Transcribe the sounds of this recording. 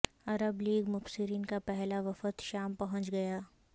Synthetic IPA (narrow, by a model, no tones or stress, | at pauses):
ɐɾəbliːɡmʊfsɪɾiːnkapɛɦlaʋɐfət̪ʃaːmpɐɦʊ̃t͡ʃɡɐjaː